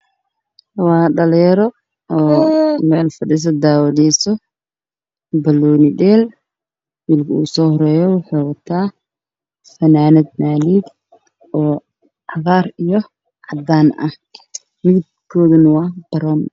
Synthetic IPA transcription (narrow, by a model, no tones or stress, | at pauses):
wɑːɖɐlɛɾɔ | ɔːmɛːlfɐɖɪs̬ɐd̪aːwɐlɛːsɔ | bɐlɔːnɪɗɛːl | wiːlkʰɐuːsɔːhɔɾɛːjɔwʊħʊːwɐt̪ʰaː | fɐnaːnɐd̪̚naːniɡ̪ | ɔː | ʕɐɣaːrijɔ | ʕɑd̪aːnɐ̰h | mɪd̪ | kʰɔːðɐnɐwɑːb̪̥ɐɾɔːm